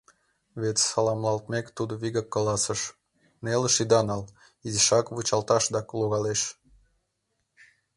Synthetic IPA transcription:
βet̪sɑlɑmlɑlt̪mekt̪ud̪oβiɣəkːɑlɑsəʃ | neləʃid̪ɑnɑl | iziʃɑkβut͡ɕɑlt̪ɑʃd̪ɑkloɣɑleʃ

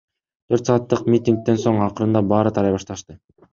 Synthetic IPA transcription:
t̪ʰø̞ɾt̪sɑːt̪ːɯqmʲit̪ʲiŋk̚t̪e̞nso̞ɴɑqɯɾɯnd̪ɑbɑːɾɯt̪ʰɑɾɑjβɑʃt̪ɑʃt̪ɯ

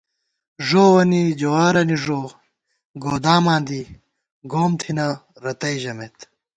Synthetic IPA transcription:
ʐoːwɐnid͡ʑowaːɾɐniʐoː | ɡoːd̪aːmãːnd̪i | ɡoːmt̪ʰinɐɾɐt̪ɐjʑɐmet̪

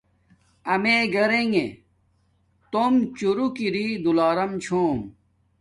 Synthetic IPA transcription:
ɐmeɡɐɾeŋe | t̪omt͡ɕuɾukiɾid̪ulaːɾɐmt͡ɕʰoːm

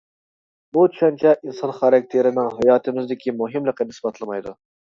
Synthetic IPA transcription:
butʰu̥ʃɑnt͡ʃʰɛʔinsɑnχɑɾɑk̚ʲt̪ʰeɾɪnɪŋɦɑjɑːt̪ʰɨmɪzd̪ɪkʲimuɦɨmlˠəqːənɪsbɑt̪ʰlˠɨmɑjd̪u

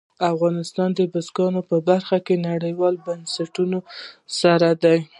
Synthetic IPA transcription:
afɣɑnɪst̪ɑnd̪əbʊsɡɑnopəbaɾxakenaɽəjwɑlbansaʈunosaɾad̪aj

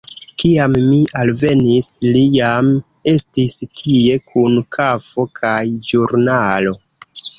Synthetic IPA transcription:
kiamːiʔalve̞nislijam | e̞stistʰie̞kʰunkʰafo̞kʰajd͡ʒuɾnalo̞

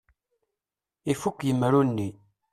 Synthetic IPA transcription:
ifukːjəmːɾunːi

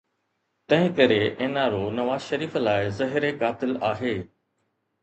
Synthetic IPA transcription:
t̪ɐ̃ɦɪ̃kɐɾeʔeːnaɾonɐʋaːzʃɐɾiːflaːɪzɐɦɪɾekaːt̪ɪlaːɦeː

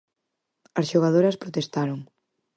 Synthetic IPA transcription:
ɐsʃuɣ̞að̞oɾɐspɾot̪est̪aɾoŋ

